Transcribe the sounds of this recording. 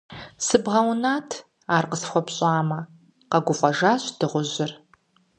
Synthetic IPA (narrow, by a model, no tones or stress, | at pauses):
sɨbʁɐwnaːtʰ | aːrqəsxʷɔpɕʼaːmɐ | qɐɡʷʊfʼɐʒaːɕd̥ɨʁʷʊʑɪr